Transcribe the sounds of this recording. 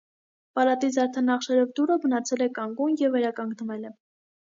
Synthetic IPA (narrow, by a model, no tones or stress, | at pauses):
pɑlɑt̪it͡sʰɑɾt̪ʰɛnɑχʃɛɾɔvd̪uɾəbənɑt͡sʰɛlɛkɑŋɡunjɛvːɛɾɑkɑŋɡnəvɛlɛ